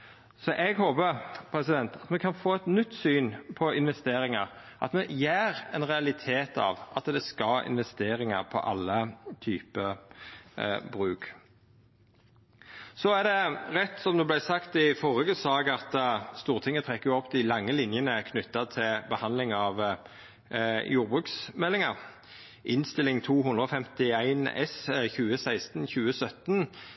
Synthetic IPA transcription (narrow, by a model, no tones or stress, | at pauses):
sɔʔɛɡhoːbəɾpʰɾɛsɪd̪ɛnt̪ʰɑt̪mɛkʰɑnfoːɛt̪nʏt̪ːsyːnpʰɔɪnʋɛst̪eːɾɪŋɑʁ | ʔɑ̰t̪mɛjeːɾɛnʁɛɑlɪt̪ʰeːt̪ɑ̰ʋʔɑt̪d̪ɛskɑlɪ̰nʋɛst̪eːɾɪŋɑʁpʰɔ̰ʔɑ̰lːət̪ʰyːpə | bɾʉːk | sɔæd̪ɛʁɛt̪ːsɔmd̪ɛblæɪsɑkt̪ɪfɔʁɪɡəsɑːɡɑt̪st̪uːʁt̪ʰɪŋːət̪ʰʁɛkːəjʊɔpːd̪ɪlɑŋːəlɪnjənəkʰnʏt̪ːɑt̪ʰɪlbəhɑnd̪lɪŋɑʋ | jʔuːʁbʁʉːksmɛlːɪŋɑʁ | ʔɪnst̪ɪlɪŋt̪ʰuːɦʉnd̪ʁəɔfɛmt̪ɪæɪnɛ̰sçʉːəsæɪst̪nçʉːəsœt̪n